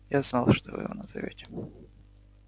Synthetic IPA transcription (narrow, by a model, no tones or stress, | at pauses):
jaznɑlˠʂt̪ovjɪ̰vonəzɐvʲetʲɪ̥